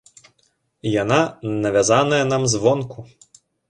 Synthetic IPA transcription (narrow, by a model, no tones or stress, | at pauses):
jananɐʋʲazanɐjɐn̪amzʋɔnku